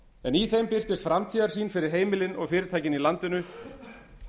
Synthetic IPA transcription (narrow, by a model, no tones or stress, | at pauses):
ɛniθejmpɪr̥t̪ɪst̪fɾamt̪ʰiːðaɾsiːnfɪɾɪɾ̥ɦeːjmɪlɪnɔɣfɪːɾɪɾt̪ʰaːjcɪnilant̪ɪnʏ